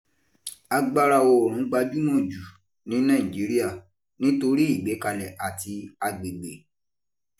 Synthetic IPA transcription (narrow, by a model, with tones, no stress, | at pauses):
a˧ɡ͡ba˧ɾa˧˨o˧˨ɾũ˨˦ɡ͡ba˧d͡ʒu˦mɔ̃˦˨d͡ʒu˨ | nĩ˨˦nãː˦˨ĩ˨d͡ʒi˨˦ɾi˦ja˦˨ | nĩ˨˦to˧ɾi˦i˦˨ɡ͡be˨˦ka˧lɛ˨ʔa˨ti˧a˧ɡ͡be˨ɡ͡bḛ˨